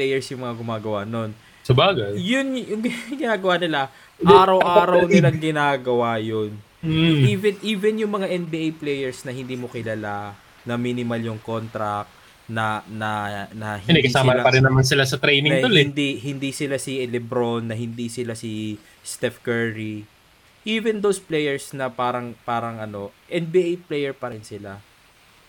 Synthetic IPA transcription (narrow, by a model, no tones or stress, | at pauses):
plɛjɛɹsjʊŋmɐŋaɡʊmaːɡɐwano̞n | sɐbaːɡɐjʊnjʊŋɡɡɪnaːɡɐwanɪla | ʔːɾɐwʔaːɾɐwnɪlaŋɡɪnaːɡɐwajon | iːvɛnʔiːvɛnjʊŋmɐŋaʔɛnbiʔejplɛjɛɹsnɐhɪnd̪iːmokɪlala | nɐminɪmaljʊŋko̞nt̪ɾɐk̚ | nɐnɐnɐhɪnɛdkɐsaːmɐpɐɾɪnːɐmansɪlasɐt̪ɾɛjnɪŋolɛnd̪ihɪnd̪isɪlasɪʔɛlɛbɾonːɐhɪnd̪isɪlasi | st̪ɛfkɛɹɾi | ʔiːvɛnd̪owsplɛjɛɹsnɐpaːɾɐŋpaːɾɐŋʔɐno̞ʔɛnbiʔejplɛjɛɹpɐɾɪnsɪla